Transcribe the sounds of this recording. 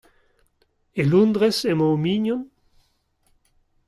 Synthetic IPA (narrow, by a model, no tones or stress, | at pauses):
elũnd̪ʁesemomiɲɔn